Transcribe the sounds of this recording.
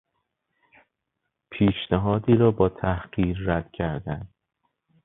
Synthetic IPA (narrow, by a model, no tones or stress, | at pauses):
pʰiːʃnæɦɒːd̪iːɾɒːbɒːt̪ʰæhɢ̥iːɾːæd̪̥cʰæɾd̪ænd̪̥